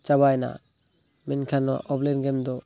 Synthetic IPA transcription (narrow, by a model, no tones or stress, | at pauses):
t͡ʃabajna̰ | minkʰanɔ̰ʔɔblenɡemd̪ɔ